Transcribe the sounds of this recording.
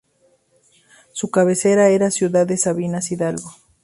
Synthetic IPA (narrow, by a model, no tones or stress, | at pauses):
sukaβeseɾaeɾasjuðaðesaβinasiðalɡo